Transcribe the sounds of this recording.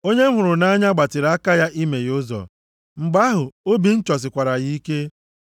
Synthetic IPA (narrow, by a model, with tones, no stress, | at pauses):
o˦ɲe˦ɦʊ˨ɾʊ˨na˦ɲa˦ɡ͡ba˨tɪ˨ɾa˦ka˦ja˦ʔi˦me˨jʊ˦zɔ̰˨ | ŋ͡m̩˨ɡ͡ba˦ɦʊ˨o˦bi˨n̩˦t͡ʃɔ˨s̬ɪ˨kʷa˨ɾa˨ɣi˦i˦ke˦